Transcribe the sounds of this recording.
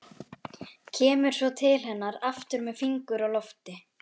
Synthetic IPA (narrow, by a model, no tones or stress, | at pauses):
cʰɛːmʏɾ̥svɔt̪ʰɪlhɛnːaɾaft̪ʏɾmɛðfiŋkʏɾaɣlɔft̪ɪ